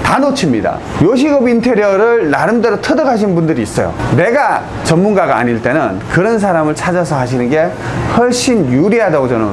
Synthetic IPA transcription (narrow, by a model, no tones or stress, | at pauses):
tanot͡ɕʰimɲida̰ | joɕ̬ʰiɡʌbintʰe̞ɾjʌɾɯɭnaɾɯmdeɾotʰɯdɯkʰaɕ̬ʰinnbundɯɾiːs͈ʌ̰jo̰ne̞ɡa | t͡ɕʌnmunɡaɡa̰ːɲiɭt͈e̞nɯnkɯɾʌns̬ʰaɾamɯɭt͡ɕʰad͡ʑasʰʌɦaɕ̬ʰinɯnɡe̞hʌɭɕ͈injuɾiɦadaɡot͡ɕʌno